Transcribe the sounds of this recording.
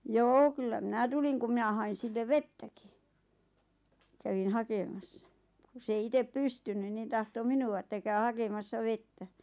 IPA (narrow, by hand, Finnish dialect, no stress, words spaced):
joː kylːæ minæ tuliŋ kum mĭnæ hɑin̞ silːeʋ ʋetːæki kæʋin hɑkemɑsːɑ ku s ei itep pystynyn nin tɑhto minuɑ ĕtːæ kæy hɑkemɑsːɑ ʋetːæ